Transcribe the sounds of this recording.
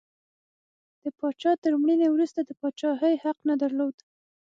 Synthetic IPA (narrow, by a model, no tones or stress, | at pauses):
d̪̥əpɑt͡ʃɑt̪əɾmɽinewɾust̪ad̪əpɑt͡ʃɑɦəjhaqnad̪aɾlod̪